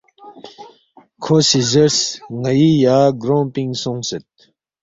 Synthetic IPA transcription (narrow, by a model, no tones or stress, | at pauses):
kʰoːsizəɾsŋɐjijaːɡɾõːmpĩŋɡsõŋsɐt̪̚